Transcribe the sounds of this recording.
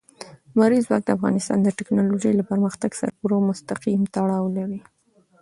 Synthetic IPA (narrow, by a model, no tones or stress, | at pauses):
maɾizwɑk̚d̪əafɣɑ̰nɪst̪ɑ̰nd̪əʈɪknɑloʒəjlapəɾməxt̪aɡsa̰ɾpuɾomʊst̪aqimt̪aɽɑwlawi